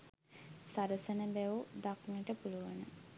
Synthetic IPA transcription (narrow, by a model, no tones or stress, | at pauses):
saɾəsənəbæʋud̪akŋəʈəpuluʋənə